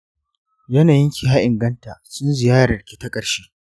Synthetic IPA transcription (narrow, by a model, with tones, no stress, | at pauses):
jɐ˦naː˨jɪ˦ŋkʲi˨ha˦ʔɪ˨ŋɡɐ˦ntaː˨sʊ˦nzɪ˨jaː˦ɽɐ˨rkʲi̥˨tɐ˦kʼɐ˨ɽʃeː˦